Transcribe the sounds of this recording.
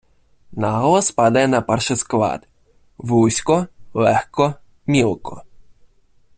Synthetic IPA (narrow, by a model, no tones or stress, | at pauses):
naɦlˠɔspad̪ɐjɛnɐpɛrʃɪsklˠɑ̰d̪ | ʋusʲkɔlˠɛxkɔ | mʲilˠkɔ